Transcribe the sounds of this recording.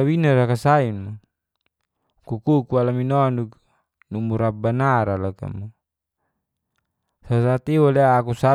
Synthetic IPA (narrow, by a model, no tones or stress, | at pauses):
awinaɾakasainma | kukukualaminɔnuk | numuɾabanaɾalaka̰ma | sasat̪iwalɛaːkusa